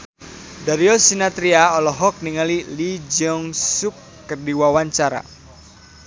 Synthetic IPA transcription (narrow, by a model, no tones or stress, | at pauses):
daɾiɔsinat̪ɾiaɔlɔɦɔk̚niŋalilid͡ʒɔŋsukː | ərdiwawaɲt͡ʃaɾa̰